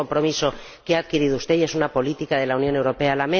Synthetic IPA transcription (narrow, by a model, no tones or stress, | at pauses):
o̞mpɾo̞miso̞ | keaːðkiɾið̞oust̪e̞je̞sunapo̞lit̪ikað̞e̞launjo̞ne̞wɾo̞pe̞alamẽ